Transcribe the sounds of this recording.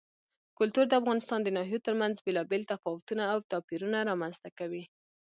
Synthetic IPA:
kʊlt̪uɾd̪əafɣɑnɪst̪ɑnd̪ənɑɦijot̪əɾmanzbelɑbelt̪afɑwʊt̪unaːwt̪ɑpiɾunaɾɑmanz̥t̪akawi

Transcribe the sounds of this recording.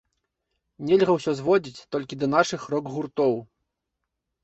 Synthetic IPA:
nʲɛlʲɣɐwsʲɔzvɔd͡zʲit͡sʲt̪ɔlʲkʲid̪ɐnaʂɨxɾɔɡɣurt̪ɔw

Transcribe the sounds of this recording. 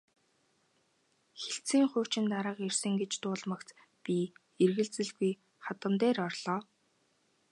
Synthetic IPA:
xeɬt͡siːŋχʊːt͡ɕɪ̆nt̪aɾə̆qersɘ̆ŋɡet͡ɕt̪ʊːɮmə̆kt͡s | pʲiː | erɣɘ̆ɮt͡sɘ̆ɮɣuj | χat̪ə̆mt̪eːrɔrɮ̥ɔː

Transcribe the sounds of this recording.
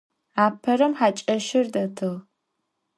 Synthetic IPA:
aːpʰɐɾɐmħaːt͡ʃʼɐʃɪrdɐtʰɨʁ

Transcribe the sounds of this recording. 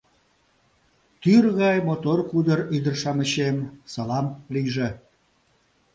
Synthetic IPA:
t̪yrɣɑjmot̪orkud̪əryd̪ərʃɑməɕemsɑlɑmliʒe

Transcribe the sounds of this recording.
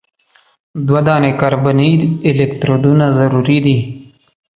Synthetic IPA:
d̪wad̪ɑːnekaɾbaniɪlekt̪ɾod̪unazaɾuɾid̪i

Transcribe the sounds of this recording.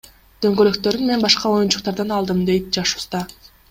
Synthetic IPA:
d̪̥ø̞ŋɡøløkt̪ø̞ɾynmenbɑʃqɑo̞junt͡ʃu̥qt̪ɑɾd̪ɑnɑlˠd̪ɯmd̪e̞jt̪̚d͡ʒɑʃu̥st̪ɑ

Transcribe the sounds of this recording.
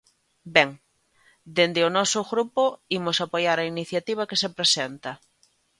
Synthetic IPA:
bɛŋ | d̪end̪ɪʊnɔsʊɣɾupʊimʊsapojaɾainiθjat̪iβ̞ɐkesepɾesent̪ɐ

